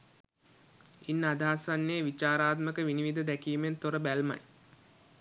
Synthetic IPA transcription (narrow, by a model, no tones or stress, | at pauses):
inːad̪aːsanːeːʋit͡ʃaːɾaːt̪məkəʋiniʋid̪əd̪ækiːment̪oɾəbælma̰j